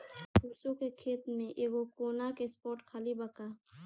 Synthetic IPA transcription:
pʰuːsõkekʰeːt̪mẽʔeːɡokoːnakespɔːɾʈkʰaːlibəkaː

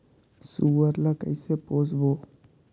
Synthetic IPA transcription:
suʋəɾlakə̰jseposbo

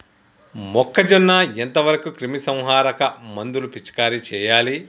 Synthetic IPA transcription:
mɔkʰːɐd͡ʒonːaːent̪ɐʋɐɾɐkukɾimisɐ̃w̃ɦaːɾɐkɐmɐnd̪ulupit͡ʃkaːɾit͡ʃɛːjaːli

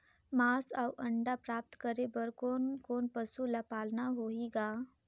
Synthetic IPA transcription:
maːsawʔɐ̃ɳɖapɾaːp̚t̪kəɾebəɾkoːnkoːnpəsulapaːlnaɦoːiɡaː

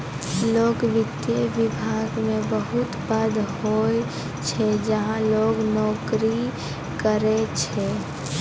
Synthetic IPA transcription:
loːɡʋɪd̪jəʋɪbʱaːɡmẽbəɦʊt̪bəd̪hoe | t͡ʃʰɛd͡ʒəɦãloːɡnɔːkɾi | kəɾet͡ʃʰɛ

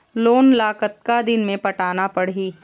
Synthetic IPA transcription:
loːnlaːkət̪̚kad̪ɪnmẽpɐʈaːnapɐɽiː

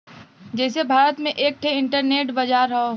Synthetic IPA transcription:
d͡ʒɛːsebʱaːɾət̪mẽʔeːk̚ʈʰeɪ̃ɳʈəɾneːʈbɐd͡ʒaːɾɐɦo

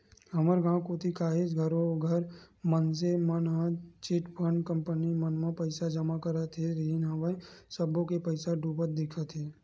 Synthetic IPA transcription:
ɦəməɾɡãːkoːt̪ʰikaːɦed͡ʒɡʱəɾõɡʱəɾməns̬emənɦãt͡ʃɪʈpʰəɳkə̃mpənimənmə̃pəɪsad͡ʒəmakəɾat̪ʰeɾiinɦəʋə̃səbõkepəɪsaɖuːpət̪̚d̪ɪkʰat̪ʰeː

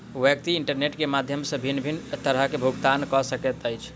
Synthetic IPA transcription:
ʋjək̚t̪iiɳʈəɾneʈkemad̪ʱjəmsə̃bʱinːbʱint̪əɾəɦkebʱuɡt̪ankɔsəket̪əjt͡ʃʰ

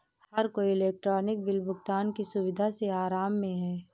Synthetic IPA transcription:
hhɐɾkoiɪleːk̚ʈɾɔːnɪk̚bɪlbʱʊɡt̪aːnkisʊʋɪd̪ʱaseaːɾaːmːẽɦɛː

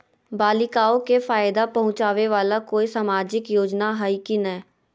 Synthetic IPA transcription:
baːlɪkaːõkefaːjd̪apɐɦʊ̃t͡ʃaːʋeʋaːlakoːisaːmaːd͡ʒɪkjoːd͡ʒnaɦaikinɐɦɛ

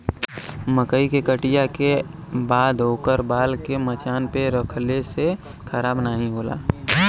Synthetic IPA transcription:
məkəikekəʈijakebaːd̪ɦoːkəɾbaːlkemət͡ʃaːnpeɾəkʰlese | kʰəɾaːbnaːɦĩɦoːla̰ː

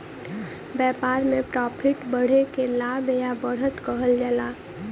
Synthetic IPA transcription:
bɛːpaːɾmẽpɾɔpʰiʈbəɽ̤ekelabjabəɽ̤ət̪kəɦəld͡ʒɛːlaː

